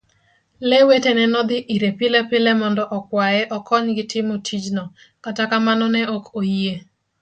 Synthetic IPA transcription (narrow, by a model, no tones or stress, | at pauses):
lewetenɛnɔd̪ɪʔiɾepɪlɛpɪlɛmɔndɔʔɔkwajɛʔɔkɔɲɡɪtɪmotʰid͡ʒnɔ | katakamanɔnɛokʰoje